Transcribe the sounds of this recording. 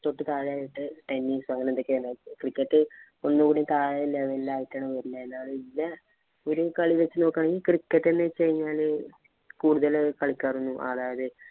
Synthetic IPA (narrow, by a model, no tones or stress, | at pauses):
t̪o̞ʈːɨt̪aːɻaːjiʈːɨʈenːisʋɐŋɡɐnenokːɨʋenːaːkrikːɐʈːɨ | onːukuːɽit̪aːjɐleʋɐllaːjitːaːɳɐʋɐɾilːɐenːaːɭɨilːɐ | oɾukɐɭiʋet͡ɕːɨno̞ːkːaːɳeŋɡilkrikːɐʈːenːet͡ɕejɲːaːl | kuːɽuðɐlkɐɭikʲːaːrunːuʔɐ̰ðaːjɐðɨ